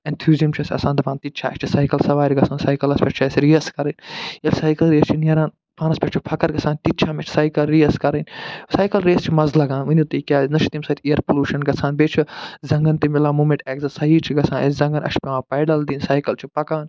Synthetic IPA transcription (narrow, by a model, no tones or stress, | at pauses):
ent̪ʰjuːzijɐmt͡ʃʰiɐsʲɐ̰sãːnd̪ɐpʰãːnt̪itːt͡ʃʰaːɐt͡ʃʰisaːjkɐlsɐʋaːɾʲiɡɐt͡sʰaːnsaːjkɐlɐspʲet͡ʃt͡ʃʰɐsɾijɐskɐɾɐnʲjɐlʲsaːjkɐlɾeːst͡ʃʰinɐɾãːn | pʰaːnɐspʲet͡ʃt͡ʃʰipʰɐkɐɾɡɐsʰãːnt̪it͡ʃʰaːmet͡ʃʰi̥saːjkɐlɾiɐskɐɾɐnsaːjkɐlɾeːst͡ʃʰimɐzlɐɡãːnʋɐnʲut̪iikʲaːznɐʃʰi̥t̪imsaːit̪ʰʲejɐɾpoluːʃɐnɡɐt͡sʰaːnbeːt͡ʃʰizɐŋɡɐnt̪imilãːmuːmẽʈɛːkzɐsɐiːt͡ʃʰiɡɐsʰãːnesʲzɐ̃ŋɡɐnɐ̰ʃpeʋãːpɐːɖɐld̪iːnsaːjkɐlt͡ʃʰipɐkaːn